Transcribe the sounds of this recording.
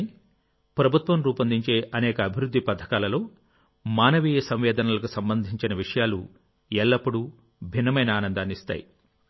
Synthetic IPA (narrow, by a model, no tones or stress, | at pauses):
i | pɾɐbʱut̪ʋɐmɾuːpɐnd̪ʱiɲt͡ʃe̞ːʔɐnɛːkɐːbʱiɾud̪ʱːipɐd̪ʰʱɐ̥kaːlɐlo̞ː | maːnɐʋiːjɐsɐmʋɛːd̪ʱɐnɐlɐkusɐmbɐnd̪ʱiɲt͡ʃinɐʋiʂɐjaːlu | ɛɭːɐpːuɽu | bʱinːɐmɐjnɐaːnɐnd̪aːnist̪a̰ːji